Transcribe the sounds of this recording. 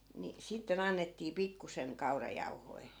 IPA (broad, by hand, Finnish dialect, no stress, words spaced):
ni sitːen ɑnːetːiː pikːuseŋ kɑurɑjɑu̞hoi̯